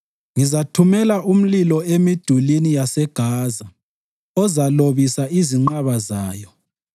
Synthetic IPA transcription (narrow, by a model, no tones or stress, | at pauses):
ŋizatʰumɛlaʔum̩lilɔemid̥ʱulinijasɛɡ̥ʱaːza | ɔzaloβisaiziŋ͡ǃaβazaːjɔ